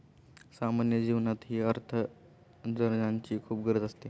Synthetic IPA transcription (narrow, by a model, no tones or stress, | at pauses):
samanjəd͡ʑiʋnat̪ɦiːəɾt̪ʰə | d͡zəɾnaɲt͡ɕiːkʰuːp̚ɡʱəɾəd͡z̪əst̪e